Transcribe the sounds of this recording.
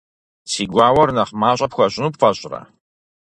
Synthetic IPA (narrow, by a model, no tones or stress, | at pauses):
siːɡʷaːwɐrnɐχmaːɕʼɐpxʷɐɕʼɪnuːpfɐɕʼrɐ̰